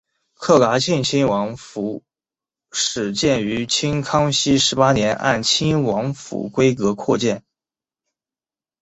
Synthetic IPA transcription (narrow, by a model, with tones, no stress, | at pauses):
kʰɤ˥˩ka˧˥t͡ɕʰi˥˩nt͡ɕʰi˥nwɑ˧˥ŋfu˧˥ | ʂɻ̩˨˩t͡ɕjɛ˥˩ny˧˥t͡ɕʰi˥nkʰɑ˥ŋɕi˥ʂɻ̩˧˥pa˥njɛ˧˥nʔa̰˥˩nt͡ɕʰi˥nwɑ˧˥ŋfṵ˧˩kwe˥ɪkɤ˧˥kʰwɔ˥˧t͡ɕjɛ˥˩n